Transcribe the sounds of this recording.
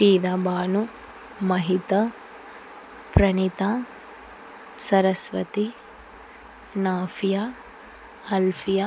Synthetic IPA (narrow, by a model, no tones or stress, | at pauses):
piːd̪aːbaːnu | mɐɦit̪ɐ | pɾɐnit̪a | sɐɾɐsʋɐ̰t̪i | naːfʰija | ɐlfʰija